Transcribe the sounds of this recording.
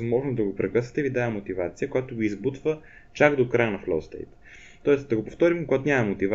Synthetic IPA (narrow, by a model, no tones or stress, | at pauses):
zmɔʒnoʊzd̪ɐɡopɾɛkɤsvət̪ɛivid̪aɛmot̪ivat̪sijəkojat̪ʊɡoizbut̪və | t͡ʃaɡd̪okɾajənɐflo̰st̪ɛ̰jt̪ | t̪ːɔɛst̪d̪ɐɡopoft̪ɔɾimkkoɡat̪nʲamɐmot̪iva